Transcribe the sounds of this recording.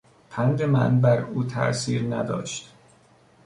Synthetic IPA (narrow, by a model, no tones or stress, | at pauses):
pʰænd̪emæ̰ʔnbæɾuːt̪ʰæ̰ʔsiːɾnæ̰d̪ɒ̰ːʃt̪